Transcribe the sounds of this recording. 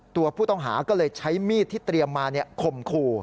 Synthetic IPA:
t̪u˧ɐpʰuː˥˩t̪ɔ˥˩ŋɦaː˩˦kɔː˥˩lɤː˧jt͡ɕʰa˦˥jmiː˥˩t̪ʰːiː˥˩t̪ɾi˧əmːaː˧ni˥˩ɐkʰo˧mkʰuː˧

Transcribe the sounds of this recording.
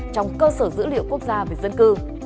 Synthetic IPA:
t͡ɕɔ˧wŋ͡mkəː˧səː˧˩zɨ̰˧˥lḭ˧˨əwku˦˥ək̚zaː˧ve˨˩zə˧nkɨ˧

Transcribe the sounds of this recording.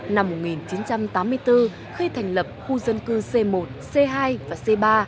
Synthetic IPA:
na˧mːo˨˩t̚ŋi˨˩nt͡ɕi˨˦nt͡ɕa˧mt̪aː˨˦mːɨ˧əjt̪ɨ˧ | xi˧t̪ʰa˨˩jŋ̟lə˨˩p̚xu˧zə˧nkɨ˧se˧mo˨˩t̚se˧ɦaː˧jvaː˨˩se˧ɓaː˧

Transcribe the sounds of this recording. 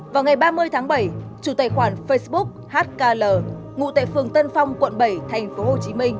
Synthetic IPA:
vaː˨˩wŋa˨˩jɓaː˧mɨ˧əjt̪ʰaː˨˦ŋɓə˧˩jt͡ɕu˧˩t̪aː˨˧˩jxwaː˧˩nfə˧jsɓʊ˦˥k̚haː˦˥t̚kaː˧ləː˨˩ | ŋṵ˧˨t̪a̰ː˧˨jfɨ˨˩əŋt̪ə˧nfa˧wŋ͡mkwə̰˧˨nɓə˧˩jt̪ʰɛ˨˩jŋ̟fo˨˦ho˨˩t͡ɕi˨˦mï˧ŋ̟

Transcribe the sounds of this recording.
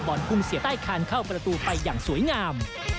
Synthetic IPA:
bɔː˨˩nkʰu˧msi˨˩˦t̪aː˥˩jkʰaː˧nkʰa˥˩wpɾa˧t̪uː˧pa˧jːaː˨˩ŋsuː˨˩˦əjŋaː˧m

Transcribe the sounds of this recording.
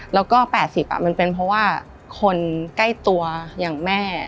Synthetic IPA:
lɛː˦˥wkɔː˥˩pɛː˨˩t̪̚si˨˩p̚ʔa̰˨˩ma˧npe˧npʰɾɔ˦˥waː˥˩ | kʰo˧nka˥˩jt̪u˧ɐjaː˨˩ŋmɛː˥˩

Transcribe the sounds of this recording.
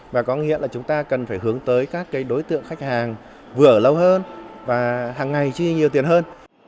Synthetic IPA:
vaː˨˩kɔ˨˦ŋḭ˧˥əlaː˨˩t͡ɕʊ˨˦ŋ͡mt̪aː˧kə˨˩nfaː˧˩jɦɨ˨˦əŋt̪əː˨˦jkaː˦˥kːaː˨˦jɗo˨˦jt̪ɨ̰˧˨əŋxa˦˥k̟̚haː˨˩ŋ | vɨ˨˩əʔəː˧˩lə˧whəː˧nvaː˨˩haː˨˩ŋːa˨˩jt͡ɕi˧ɲi˨˩əwt̪i˨˩ənhəː˧n

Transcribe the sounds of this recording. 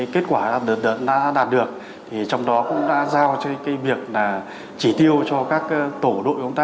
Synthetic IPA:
jke˦˥t̚kwaː˧˩ɗaː˨˩ɗə˨˩t̚ɗə̰˧˨nɗa̰ː˧˥ɗaː˨˩t̚ɗɨ˨˩ək̚ | t̪ʰi˨˩t͡ɕɔ˧wŋ͡mɗɔ˨˦kʊ̰˧˥ŋ͡mɗa̰ː˧˥zaː˧˩wt͡ɕkaː˨˦jvi˨˩ək̚laː˨˩ | t͡ɕi˧˩t̪i˧əwt͡ɕɔ˧kaː˦˥k̚ːt̪o˧˩ɗo̰˧˨jʔŋ͡mt̪aː˧

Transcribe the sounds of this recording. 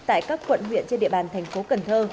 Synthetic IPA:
t̪a̰ː˧˨jkaː˦˥kːwə̰˧˨nɦwḭ˧˨ənt͡ɕe˧nɗḭ˧˨əɓaː˨˩nt̪ʰɛ˨˩ŋ̟fo˨˦kə˨˩nt̪ʰəː˧

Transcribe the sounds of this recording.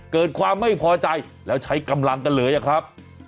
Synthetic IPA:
kɤː˨˩t̪̚kʰwaː˧mːa˥˩jpʰɔː˧t͡ɕa˧j | lɛː˦˥wt͡ɕʰa˦˥jka˧mla˧ŋka˧nlɤː˩˦jʔa˨˩kʰɾa˦˥p̚

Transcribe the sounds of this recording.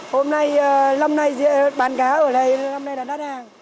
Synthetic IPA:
ho˧mna˧jːla˧mna˧jzḭ˧˨əɓaː˨˩nkaː˨˦ʔəː˧˩lə˨˧˩jla˧mna˧jlaː˧˩ɗa˦˥haː˨˩ŋ

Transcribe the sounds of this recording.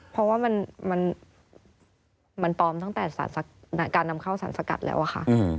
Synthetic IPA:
pʰɾɔ˦˥waː˥˩ma˧nma˧n | ma˧nt̪ɔː˧mt̪a˥˩ŋt̪ɛː˨˩sa̰ː˩˦nsa˧na˧kaː˧nːa˧mkʰa˥˩wsaː˩˦nsa˧ka̰˨˩t̪̚lɛ̰ː˦˥wʔa˨˩xʰa̰˦˥ʔɯ˧

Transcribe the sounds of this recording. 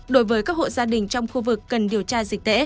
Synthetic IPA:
ɗo˨˦jvəː˨˦jkaː˦˥k̚ho̰˧˨zaː˧ɗï˨˩ŋ̟t͡ɕɔ˧wŋ͡mxu˧vɨ˨˩kːə˨˩nɗi˨˩əwt͡ɕaː˧zï˨˩k̚t̪ḛ˧˥

